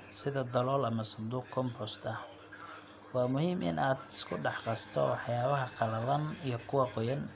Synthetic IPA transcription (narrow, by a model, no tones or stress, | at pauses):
sɪðɐd̪ɐlɔːlɐmɐsʊnd̪uːqkʰɔmpɔst̪ʰɐh | wɑːmʊhiːmʔɪ̰nʔaːd̪ɪ̥skʰʊɖɑħqɑst̪ʰɔ̰wɑħjaːβɐɦɐqɑlɐðɐnijɞkʰʊwɑqɔjɐn